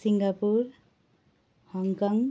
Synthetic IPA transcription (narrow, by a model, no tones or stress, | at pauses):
siŋɡapuɾ | hɔŋkɔŋ